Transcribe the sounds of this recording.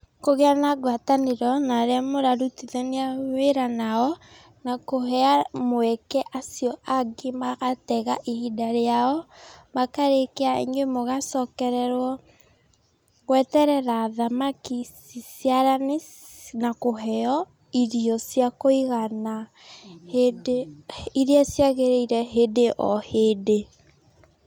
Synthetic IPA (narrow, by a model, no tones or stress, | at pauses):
koɣeanaɡwataneɾɔnaɾeamoɾaɾutiðɛneaeɾanaɔ | nakoɦɛamoɛkɛʔasijɔʔaɡimaɣatɛɣaʔihidaɾeaɔbakaɾekeaḛɲemoɣasɔkɛɾɛɾwɔ | ɣwɛtɛɾɛɾaːðamakisisjaɾane | nakoɦɛɔ | iɾiɔsjakoiɣana | hed | iɾiasjaɣeɾeiɾɛɦedeʔɔhede